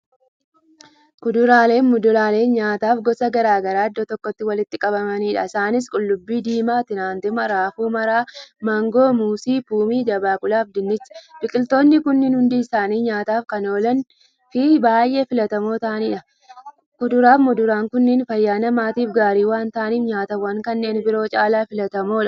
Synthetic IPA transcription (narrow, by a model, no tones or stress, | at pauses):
kʊd̪ʊɾaːle̞ːnmʊd̪ʊlaːle̞ːnɲaːt̪aːfɡɔsɐɡɐɾaːɡɐɾaːɐd̪ːɔt̪ɔkːɔt̪ːɪwɐlɪt̪ːɪkʼɐbɐmɐniːᶑɐ̰ɪsaːnɪs̬kʼʊlːʊbːiːd̪iːmaːt̪ɪnaːnt̪ɪmɐɾaːfuːmɐɾaːmɐŋɡo̞ːmuːsiːpuːmiːd͡ʒɐbaːkʊlaːfd̪ɪnːɪt͡ʃːb̥ɪkʼɪlt̪o̞ːnːɪkʊnːɪnhʊnd̪iːsaːniːɲaːt̪aːfkɐno̞ːlɐn | fɪbaːjʔe̞ːfɪlɐt̪ɐmo̞ːt̪aːniːᶑɐ | kʊd̪ʊɾaːfmɔd̪ʊɾaːŋkʊnːɪnfɐjːaːnɐmaːt̪iːfɡaːɾiːwaːnt̪aːniːfɲaːt̪ɐwaŋkɐnːe̞ːnbɪɾo̞ːt͡ʃʼaːlaːfɪlɐt̪ɐmoːᶑɐ